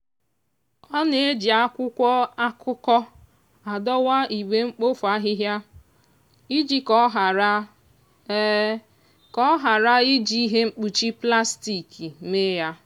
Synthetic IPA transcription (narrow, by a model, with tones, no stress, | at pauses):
ɔ˦ne˨e˦d͡ʒi˨a˦kʷʊ˦kʷɔ˦a˦kʰʊ˦kɔ˦ | a˨dɔ˦wa˦i˨ɡ͡be˦ŋ͡m̩˦k͡po˦fu˨a˦ɦɪ˦ɦja˦ | i˦d͡ʒi˦kɔ˦ɦa˨ɾa˦ | kɔ˦ɦa˨ɾa˦i˦d͡ʒi˦i˦ɦe˦ŋ͡m̩˦k͡pu˨t͡ʃi˦pla˦sti˨ki˨me˦ja˦